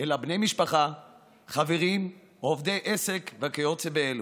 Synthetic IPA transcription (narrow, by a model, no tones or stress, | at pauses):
elabnejmiʃpaχa | χaveʁim | ovd̪ejʔese̞kveakejot͡sebeel